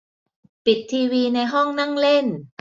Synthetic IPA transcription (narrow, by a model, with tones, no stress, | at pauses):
pi˨˩t̪ʰːiː˧wiː˧na˧jɦɔ˥˩ŋna˥˩ŋle˥˩n